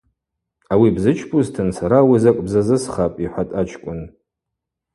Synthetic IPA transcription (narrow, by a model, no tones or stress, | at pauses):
awibzɨt͡ʃʰpʰuztʰɨnsaɾawizakʷʼbzazɨsχapʼiħʷatʼat͡ʃʰkʷʼʊn